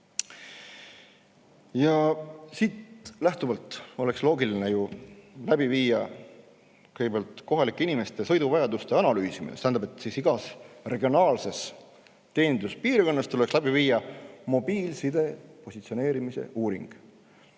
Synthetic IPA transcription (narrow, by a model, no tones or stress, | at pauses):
jɑsiːt̪læht̪uvɑlt̪ˑo̞le̞kslo̞ːɡiline̞julæb̥iviːjɑ | kɯjɡbelt̪ˑko̞ɦɑlikːˑeinimest̪e̞sɤ̞jd̪uvɑjɑd̪ust̪e̞ɑnɑlyːsiminest̪æːnd̪ɑbpet̪ːˑsisiɡ̥ɑsre̞ɡ̥io̞nɑːlse̞s | t̪e̞ːnd̪luspiːrko̞nːɑst̪ulekslæbiviːjːɑmo̞biːlsid̪e̞po̞sit̪sio̞ne̞ːɾimise̞̰uːɾiŋɡ̥